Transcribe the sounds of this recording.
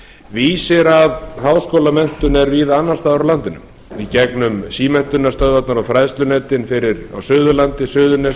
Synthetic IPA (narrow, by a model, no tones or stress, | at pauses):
viːsɪɾaðɦaːwskoːwlamɛn̥t̪ʏnɛɾvɪðanːast̪aːðɾawlant̪ɪnʏ̰m | icɛknʏmsiːmɛn̥t̪ʏnːast̪œðvat̪naɾawfɾajðst̪lʏnɛːt̪ɪnfɪɾɪɾa̰wsœːɣðʏlant̪ɪsʏːðʏnɛs